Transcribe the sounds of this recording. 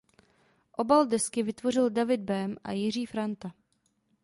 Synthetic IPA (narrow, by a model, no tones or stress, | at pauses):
ʔo̞baldɛskɪvɪt̪vo̞r̝ɪldavɪd̪̚bɛmʔa̰jɪriːfɾant̪a